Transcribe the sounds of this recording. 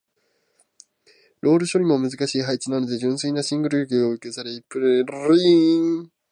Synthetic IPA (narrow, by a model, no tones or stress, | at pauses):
ɾo̞ːɾɯ̟ɕo̞ɾʲimo̞mɯ̟zɨkaɕiːɦait͡ɕinano̞d̪e̞ʑɨ̃ɰ̃sɨinaɕĩŋɡɯ̟ɾɯ̟ɯɡʲeoɯ̟kʲesaɾe̞ipːɯɾeɾi